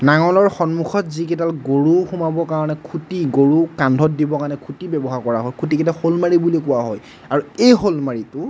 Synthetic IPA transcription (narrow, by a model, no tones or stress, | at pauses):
naŋɔlɔɹxɔnmukʰɔtziketalɡoɹuxumabɔkaɹɔnɛkʰutiɡoɹukandʱɔtdibɔkanɛkʰutibɛbɔɦaɹkɔɹaɦɔjkʰutiketaxolmaɹibulikʊwaɦɔj | aɹuejxolmaɹitʊ